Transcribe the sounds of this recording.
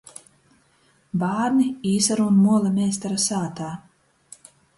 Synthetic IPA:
baːɾnʲiiːsaɾuunmuɔlˠamʲɛːst̪aɾasaːt̪aː

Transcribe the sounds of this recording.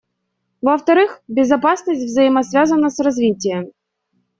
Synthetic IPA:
vɐft̪ɐɾɨxbʲɪzɐpasnəsʲtʲvzəjɪmɐsvʲazənːəsrɐzvʲitʲɪjəm

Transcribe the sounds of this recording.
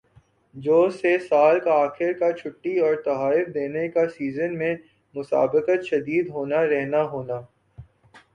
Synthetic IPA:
d͡ʒoːsesaːlkaaːxɪɾkat͡ʃʰʊʈːiɔːɾt̪ɐɦaːɪfd̪eːnekasiːzənmẽ | mʊsa̰ːbɪqət̪ʃɐd̪iːd̪ɦoːnaɾɛɦnaɦoːnaː

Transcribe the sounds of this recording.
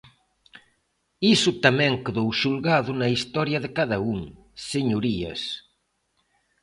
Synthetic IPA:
isʊt̪amɛ̃ŋkeðowʃulɣaðʊnɐist̪ɔɾjɐðɪkaðɐuŋ | seɲuɾiɐ̰s

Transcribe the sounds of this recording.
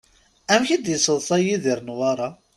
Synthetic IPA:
æmçid̪jəsˤəðˤθˤɑjiðiɾnwɑɾˤɑ

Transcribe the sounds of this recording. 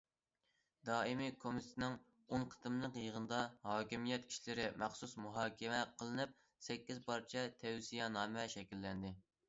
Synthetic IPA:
d̪ɑːimikʰomit̪ʰt̪ʰnɪŋ | onqʰə̥t̪ɨmnəqjəʁənɨd̪ɑhɑːkʲimijɛt̪kʰʲi̥ʃlɪɾɪmʔæχsusmuɦɑːkʲʰɛmɛqʰəlˠɨnɨp̚ | sɛkʲːizpʰɑɾt͡ʃʰɛt̪ʰɛwsijɛnɑːmɛʃɛkʲilːɛnd̪ɪ

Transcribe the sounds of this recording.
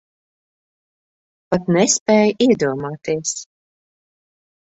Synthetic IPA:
pat̪nɛspɛːjʔiɛd̪uɔmaːt̪iɛs

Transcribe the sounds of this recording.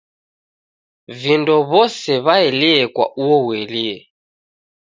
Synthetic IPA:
vindɔβɔsɛβaɛliɛkwa̰ʔuɔwɛliɛ

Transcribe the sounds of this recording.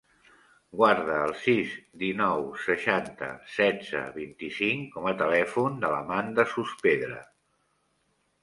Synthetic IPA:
ɡwaɾðəːlˠsizd̪inɔwsəʃant̪ə̰sɛd͡zə̰βint̪isiŋkɔmət̪əlɛfund̪ələ̰mand̪əsuspeðɾə̰

